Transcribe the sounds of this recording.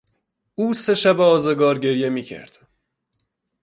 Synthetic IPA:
uːse̞ʃæbeɒːzeɡɒːɾɟe̞ɾje̞miːcʰæ̰ɾd̪̥

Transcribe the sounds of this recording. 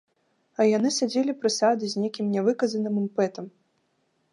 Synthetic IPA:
ɐjanɨsʲad͡zʲelʲipɾɨsad̪ɨzʲnʲekʲimnʲɛvɨkɐzɐnɨmɨmpɛt̪ɐm

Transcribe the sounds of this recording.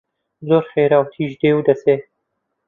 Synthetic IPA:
zoːɾxeːɾaːwt̪ʰiʒd̪eːwd̪ɐse

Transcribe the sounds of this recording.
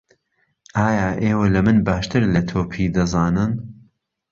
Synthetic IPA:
ʔaːjaːʔeːwɐlɐmɨnbaːʃt̪ɨɾlɐt̪ʰoːpʰid̪ɐzɑːnɨn

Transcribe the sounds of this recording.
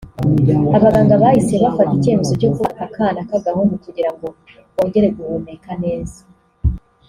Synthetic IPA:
aβaɡaːŋɡaβahiseβafatice̞ːme̞zo̞co̞kuakaːnakaɡahonukuɟiɾaŋɡo̞ | ko̞ːɲɟe̞ɾe̞ɡuβone̞kane̞ːzḁ

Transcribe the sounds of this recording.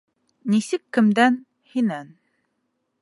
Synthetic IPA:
nisɘkːɘ̆md̪æn | hinæn

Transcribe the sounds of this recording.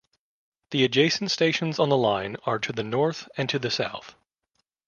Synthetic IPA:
ðiɨd͡ʒeɪsn̩tsteɪʃn̩zn̩ðəlãɪ̃nə˞ɾɨðɨnɔɹθɨ̃ntʰɨðɨsa̰ʊθ

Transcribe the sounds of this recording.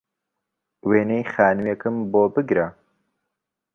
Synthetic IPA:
weːnejxaːnɨmjekɨmboːbɨɡɾa

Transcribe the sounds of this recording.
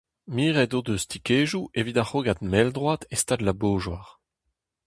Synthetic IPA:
miːʁɛdod̪øst̪ikeːʒuʔevidaχoːɡat̪mɛld̪ʁwat̪est̪adlaboːʒwaʁ

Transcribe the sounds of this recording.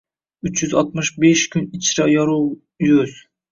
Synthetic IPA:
yt͡ʃʰjyzɒt̪̚mɨʃbeʃkʲʰynit͡ʃʰɾɑjɒɾu | jøz̥

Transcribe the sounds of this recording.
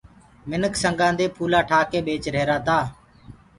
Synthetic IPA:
mɪnəksəŋɡãːnd̪eːpʰuːlaːʈʰaːkeːɓeːt͡ʃɾeːɾaːt̪aː

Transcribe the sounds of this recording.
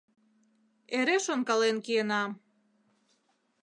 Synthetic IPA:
eɾeʃonkɑlenkienɑ

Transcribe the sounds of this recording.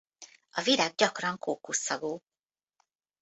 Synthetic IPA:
ɒviɾaːɡ̚ɟɒkrɒŋkoːkusːɒɡoː

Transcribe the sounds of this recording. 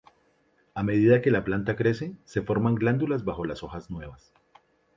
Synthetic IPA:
ame̞ðiðake̞laplant̪akɾe̞se̞se̞fo̞ɾmaŋɡland̪ulazbaxo̞laso̞xaznwe̞βas

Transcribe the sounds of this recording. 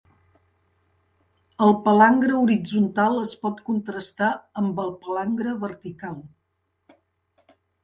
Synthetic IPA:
əlˠpəlaŋɡɾəuɾid͡zunt̪alˠəspɔt̪kunt̪ɾəst̪aəmbəlˠpəlaŋɡɾəβəɾt̪ikalˠ

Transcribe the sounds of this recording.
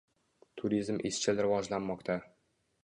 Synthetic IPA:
t̪ʰʊɾizmʔɪʃt͡ʃʰɪlɾɪvɒd͡ʒlanmɒqt̪ʰa

